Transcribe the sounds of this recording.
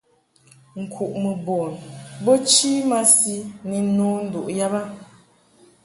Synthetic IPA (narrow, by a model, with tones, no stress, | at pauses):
ŋ̩˨kʰu˨ʔmə˨bɔ˨nbo˦t͡ʃi˦ma˦si˦ni˨˦nɔ˨˦n̩˨du˨ʔja˦ba˦